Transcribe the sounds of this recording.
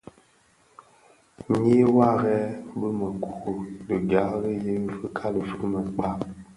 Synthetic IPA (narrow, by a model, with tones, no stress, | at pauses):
me˦wa˦˨ɣɛ˦bə˦mə˨ku˨o˨lə˨ɡa˨˦ɣə˦je˦və˦kʰa˦lə˨fu˦mə˨k͡pa˦